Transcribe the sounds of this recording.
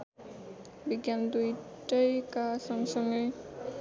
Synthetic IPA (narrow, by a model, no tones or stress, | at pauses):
biɡjand̪uj | ʈʌjkasɔŋsɔŋɯj